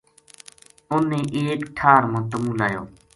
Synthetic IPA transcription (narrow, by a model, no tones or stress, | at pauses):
ʊnːẽːʔeːkʈʰaːɾmãːt̪əmuːlaːjo̰ː